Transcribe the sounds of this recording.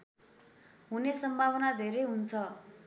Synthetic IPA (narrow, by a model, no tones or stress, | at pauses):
ɦunesʌmbʱawʌnad̪ʱeɾʌjɦunt͡sʰʌ